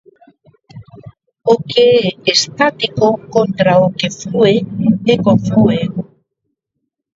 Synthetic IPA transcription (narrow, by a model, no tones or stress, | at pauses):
okeɛːst̪at̪ikokont̪ɾaokefueekoɱfue